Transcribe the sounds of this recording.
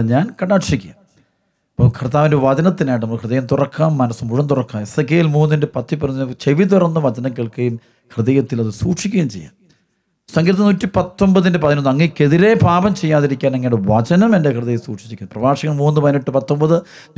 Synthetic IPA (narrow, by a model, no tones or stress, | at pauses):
ɲaːnkɐɳaːʈʂikʲːua | ipːɐmkʰɐrt̪ːaːʋindeʋɐd͡ʑɐnɐt̪ːinaːjʈ̬ɨnɐmɐkʰrɨðejɐmt̪urɐkːaːmːɐnɐsumuɻɐmt̪urɐkːaːmesɐkːeːjilmuːnːinde̞pɐt̪ʰːipːuɾɐnːt͡ɕeʋit̪urɐnːɨʋɐd͡ʑɐnɐmkiɭkɐjum | kʰrɨðejɐt̪ːilɐðɨsuːʈʂikʲːɐjimt͡ɕejːa̰ː | sɐŋɡɾɐt̪ːɐnuːtːipɐt̪ːo̞mbɐðindepɐðinonːɐŋːɐikːeðiɾe̞paːbɐmt͡ɕejːaːðiɾikʲːaːnɐŋːɐjɽeʋɐt͡ɕɐnɐmendekrɨðejɐmsuːʈʂi̥t͡ɕːkʲːnːprɐʋaːʂɐɣɐɭmuːnːɨpɐðiniʈːɨpɐt̪ːo̞mbɐðɨ